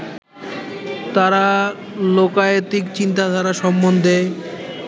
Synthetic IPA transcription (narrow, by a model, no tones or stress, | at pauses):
t̪aɾa | lokaet̪ikt͡ɕint̪ad̪ʱaɾaʃɔmːond̪ʱe